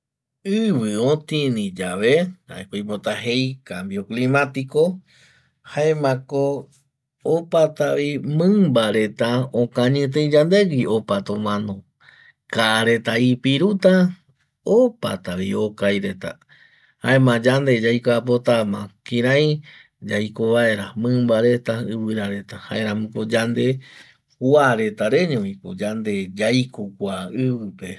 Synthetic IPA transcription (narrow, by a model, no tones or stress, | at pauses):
ɨβɨõt̪ĩnĩd͡ʒaʋe̞a̰ekojpot̪aɦe̞jkambio̞klĩmat̪iko̞ | haemãko | opat̪aʋimɨ̃mbaɾe̞t̪aõkãɲɨ̃t̪̬ẽid͡ʒand̪e̞ɡiopat̪õmãnõ | kaɾe̞t̪aipiɾut̪a | opa̰t̪aβio̞kajɾe̞t̪a̰ | ha̰emãd͡ʒand̪e̞d͡ʒajkoapo̞t̪amãkĩɾãj̃ | d͡ʒajkoβae̞ɾamɨ̃mbaɾe̞t̪aɨβɨɾaɾe̞t̪aha̰eɾãmũkod͡ʒand̪e̞ | waɾe̞t̪aɾe̞ɲõĩko̰d͡ʒand̪e̞d͡ʒajkokʷaɨβɨpe̞